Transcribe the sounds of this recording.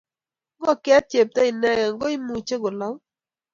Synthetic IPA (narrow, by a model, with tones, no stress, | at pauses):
ŋɡɔ˦˨kɛ˦t̚t͡ʃe˨p̚tɛ˦i˨nɛ˦ŋa˨ŋɡɔ˦i˦mu˨t͡ʃe˦ɡʊ˨lɔ˦